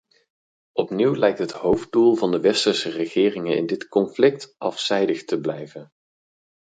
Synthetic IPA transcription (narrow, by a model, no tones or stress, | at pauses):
ʔɔpniwlɛjk̚tɦətɦowf̚dulˠvɑndəʋɛstəɹsərəχɪːrɪŋənɪ̰ndɪtkɔnflɪk̚tʔɑfsɛjdəχtəblɛjvən